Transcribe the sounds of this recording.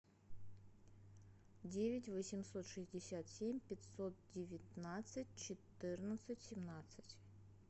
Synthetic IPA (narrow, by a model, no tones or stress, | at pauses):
dʲevʲɪtʲvəsʲɪmso̞t̪ʂɨzʲdʲɪsʲat̪sʲemʲpʲɪt̪ʲsot̪̚dʲɪvʲɪt̪nat̪sɨtʲt͡ɕɪt̪ɨrnət̪sɨtʲsʲɪmnat̪sɨ̥tʲ